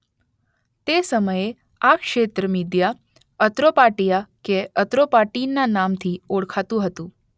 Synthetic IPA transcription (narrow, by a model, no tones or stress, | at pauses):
t̪esəməje | akʃet̪ɾəmid̪ja | ət̪ɾopaʈijakeət̪ɾopaʈinːanamt̪ʰioɽkʰat̪ũɦət̪ũ